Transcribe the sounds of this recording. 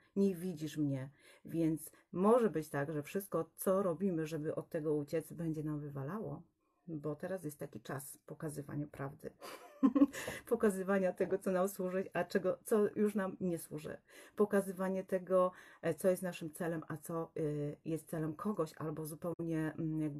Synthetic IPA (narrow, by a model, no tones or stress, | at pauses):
ɲɛvʲid͡ʑiʂmɲɛvʲjɛnt̪s | mɔʐɛbɘt͡ɕt̪aɡʐɛfʂɘst̪̚kɔt̪sɔɾɔbʲimɘʐɛbɘʔɔt̪ːɛɡɔut͡ɕɛt̪sbɛɲd͡ʑɛnamvɘvalawɔ̰ | bɔt̪ɛɾas̬jɛst̪ːakʲit͡ʂaspɔkazɘva̰ɲupɾavd̪ɘ̰ | pɔkazɘvaɲat̪ɛɡɔt̪sɔnamswuʐɨt͡ɕat͡ʂɛɡɔt̪sɔjuʂnamɲɛswuʐɛ̰pɔkazɘvaɲɛt̪ɛɡɔt̪sɔjɛst̪naʂɘmt̪sɛlɛmʔat̪sɔjɛst̪t̪sɛlɛmkʰɔɡɔɕa̰lbɔzupɛwɲɛjaɡ̚b